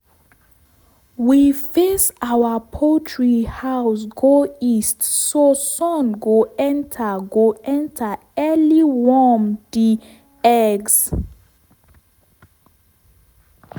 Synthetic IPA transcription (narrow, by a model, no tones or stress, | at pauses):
wifesawapʰotʰɹihaʊs̬ɡoistsosɔ̃nɡoɛ̃ntʰaɡoɛ̃ntʰa | ɛliwɔmdi | ɛɡs